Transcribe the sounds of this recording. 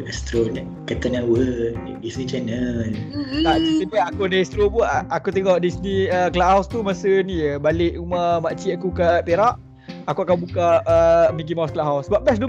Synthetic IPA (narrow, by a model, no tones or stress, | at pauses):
ɛst̪ɾon | kat̪anawə | disnit͡ʃɛnəlkaʔd͡ʒisipaakudəɛst̪ɾobuaʔakut̪eŋɔʔdisnĩəklaʔɦawst̪umasənijəbalɪʔumamat͡ʃiakukapeɾaʔ | akuakabukaəmik̬imawsklaʔɦawsbaʔ̚bɛs̬du